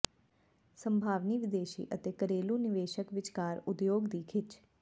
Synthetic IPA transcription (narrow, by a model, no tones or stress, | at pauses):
səmbʱaːʋniːʋɪd̪eːʃḭːʔət̪eːkəɾeːlũːnɪʋeːʃəkʋɪt͡ʃkaːɾʊd̪joːɡd̪iːkʰɪt͡ʃ